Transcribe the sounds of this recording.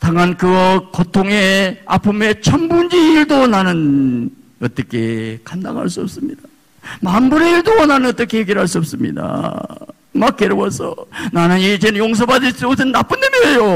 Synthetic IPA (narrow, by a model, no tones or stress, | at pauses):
t̪aŋankɯkʌtʰoŋe̞a̰pʰume̞t͡ɕʰambund͡ʑiiɭdonanɯn | ʌt͈ʌkʰe̞̰kanda̰ŋɦa̰ɭs͈uʌp̚s͈ɯmɲid̥a | mambuɾeiɭdonanɯnʌt͈ʌkʰejeɡiɾɭɦaɭs͈uʌp̚s͈ɯmɲḭda̰ | mak͈̚ːeɾowosʰʌ̰nanɯnid͡ʑenɯnjoŋs̬ʰʌbad͡ʑis͈ːp̚sennːap͈ɯnːemeejo